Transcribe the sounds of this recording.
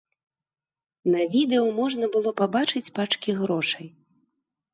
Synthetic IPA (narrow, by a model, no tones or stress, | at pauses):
nɐvʲid̪ɛumɔʐnɐbɨlˠɔpabat͡ʂɨt͡sʲpat͡ʂkʲiɣɾɔʂɐj